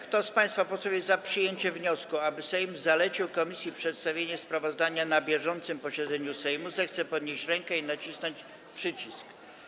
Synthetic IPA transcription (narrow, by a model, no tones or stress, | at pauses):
kt̪ɔspaj̃st̪fapɔt̪sɔvʲjɛzapʂɘjeɲt͡ɕɛvɲɔskuabɘsɛjmzalɛt͡ɕiwkɔmʲisʲjipʂɛt̪st̪avʲjeɲɛspɾavɔzd̪aɲanabʲjɛʐɔnt̪sɘmpɔɕɛd̪zɛɲusɛjmuzɛxt̪sɛpɔd̪ɲeɕt͡ɕɾɛŋkɛinat͡ɕisnɔɲt͡ɕ | pʂɘt͡ɕisk